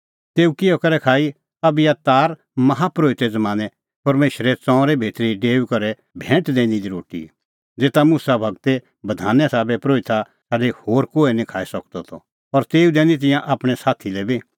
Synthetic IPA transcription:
t̪eːũkɪjɔkɐɾɛkʰaːi | ɐbɪjat̪aːɾ | mɐɦapɾoːɪt̪ɛd͡zɐmaːnɛ | pɐɾmeːʃɾɛt͡sɔ̃ːɾɛbʱeːt̪ɾiɖeːkɐɾɛ | bʱɛ̃ːʈd̪ẽːnid̪iɾoːʈḭ | d͡zeːt̪amusabʱɐɡt̪e | bɐd̪ʱaːnɛsaːbɛpɾoːɪt̪a | saːɖehoːɾkoːɛnĩkʰaːisɐkd̪ɔt̪ʰɔ | ɔɾt̪eːud̪ɛ̃ːnit̪̬ɪ̃jãʔaːpɽ̃ɛsaːt̪ʰilɛbi

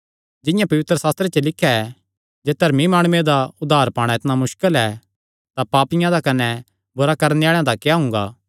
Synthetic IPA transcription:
d͡ʒɪ̃jãpɐʋɪt̪ɾəsaːst̪ɾet͡ʃelɪkʰːjaɛ | d͡ʒeːd̪ʱɐɾmimaːɽ̃ʊed̪aʊd̪ʱːaːɾpaːɽ̃ãɪt̪namʊʃkəlɛ | t̪apaːpɪjãd̪akɐnɛ | bʊɾakɐɾneaːɭjãd̪akjaɦʊ̃ŋɡa̰ː

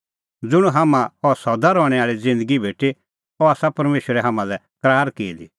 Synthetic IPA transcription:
d͡zʊɽ̃uɦaːmãɔsɔd̪aɾɔːɽ̃ɛaːɭid͡zɪ̃nd̪əɡibʱeːʈe | ɔaːsapɐɾmeːʃəɾɛɦaːmãlɛ | kɾaːɾkeːli

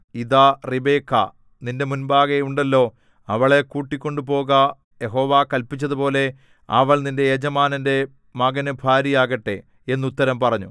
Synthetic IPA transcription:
iðaːribe̞ːkʰːɐ̰ | ninde̞munbaːɣeuɳɖɐlːo̞ː | ɐʋɐɭe̞kuːʈːikʲːo̞ɳɖupo̞ːɣɐ | jeɦo̞ːʋaːkɐlpit͡ɕːɐðupo̞ːle̞ | ɐ̰ʋɐɭninde̞ːd͡ʑɐmaːnɐnde̞ | mɐɡɐnɨbʱaːɾijaːɣɐʈːe̞̰ | enːut̪ːɐɾɐmpɐrɐɲːṵ

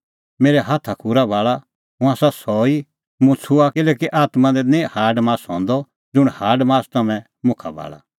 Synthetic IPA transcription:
meːɾɛɦaːt̪ʰakʰuɾabʱaːɭa | ɦũaːsasɔi | mʊ̃t͡sʰʊaɪlɛːkiʔaːt̪mãd̪ɛnĩhaːɖmaːsɦɔ̃ːnd̪ɔ | d͡zʊɽ̃haːɖmãːst̪ɐmɛ̃ | mʊ̃kʰa̰bʱa̰ːɭa̰

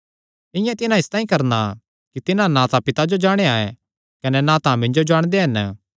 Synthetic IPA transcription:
ɪ̃jãt̪ɪnãɪst̪ãːĩkɐɾna | kit̪ɪnãnãt̪ãpɪt̪ad͡ʒod͡ʒaːɽ̃eaːɛ | kɐnɛnãt̪ãmɪ̃ɲd͡ʒod͡ʒaːɽ̃d̪eɦɐn

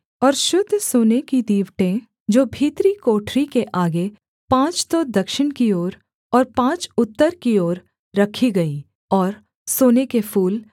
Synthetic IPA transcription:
ɔːɾʃʊd̪ʱsoːnekid̪iːʋʈẽ | d͡ʒoːbʱiːt̪ɾikoːʈʰɾikeʔaːɡe | pãːt͡ʃt̪od̪ɐkʃɪɽkioːɾ | ɔːɾpãːt͡ʃʊt̪ːəɾkioːɾː | ɐkʰiɡɐi | ɔːɾ | soːnekepʰuːl

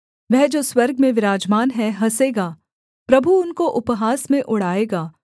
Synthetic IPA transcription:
ʋɛɦd͡ʒoːswɐɾɡmẽʋɪɾaːd͡ʒmaːnɦɛɦɐseːɡaː | pɾɐbʱuʊnkoʔʊpɦaːsmẽʔʊɽ̤aːeːɡaː

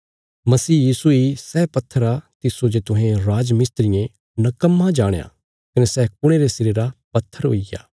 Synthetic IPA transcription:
mɐsiːjiːsuisɛːpɐt̪ʰːəɾat̪ɪsod͡ʒet̪ʊɦẽɾaːd͡ʒmɪst̪ɾɪjẽ | nɐkəmːãd͡ʒaːɽ̃ḛa̰ː | kɐnesɛːk̚ʊɽ̃eɾesɪɾeɾapɐt̪ʰːəɾɦo̰ːiɡa̰ː

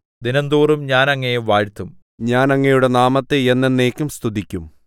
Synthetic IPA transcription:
d̪inɐnd̪uːrumɲaːnɐŋːejeʋaːɻt̪ːum | ɲaːnɐŋːejuɽe̞naːmɐt̪ːeenːenːeːkʲːumst̪ʰud̪ikʲːum

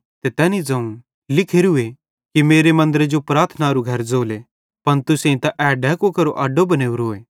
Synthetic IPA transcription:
t̪et̪ɛːnid͡zɐ̃ũ | lɪkʰeɾʊe | kimeːɾemɐ̃nd̪əɾed͡ʒopɾaːt̪ʰnaɾuɡʱɐɾd͡zoːle | pɐnt̪ʊsẽĩt̪aʔɛːɖɛːkokɐɾoʔɐɖobɐneːuɾoːeː

